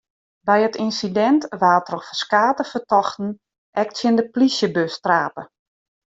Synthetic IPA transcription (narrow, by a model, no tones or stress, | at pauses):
bɛjətinsidɛntʋaːtrɔxfəskaːtəfətɔxtn̩ | ɛk̚tsjəndəplisjəbøstraːpə